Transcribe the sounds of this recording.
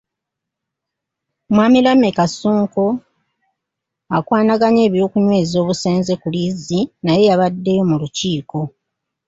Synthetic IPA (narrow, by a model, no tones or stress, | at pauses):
mwaːmilamekasuːŋko | akwaːnaɡaɲe̞ːβjo̞ːkuɲwe̞ːzio̞ːβuseːnze̞kulizinaje̞jaβadːe̞jo̞muluciːko̞